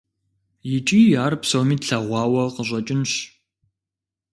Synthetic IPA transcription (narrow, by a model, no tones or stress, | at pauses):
jɪt͡ʃʼiːjaːrpsowmiːtɬɐʁʷɑːwɐqəʑʷʼɐt͡ʃʼɪnɕ